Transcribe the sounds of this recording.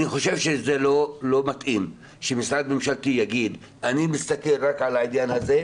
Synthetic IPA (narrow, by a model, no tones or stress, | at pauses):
niχo̞ʃe̞vʃezelo̞lo̞mat̪ʔim | ʃemisʁad̪̚me̞mʃalt̪ijaɡid̪ | animist̪ake̞lʁakʕalainjanhaze